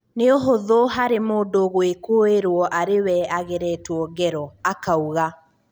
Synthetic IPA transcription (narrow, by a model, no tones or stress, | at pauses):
neoɦoðoɦaɾemoːdoɣwekoeɾwɔʔaɾewɛaɣeɾɛtwɔɡɛɾɔakauɣa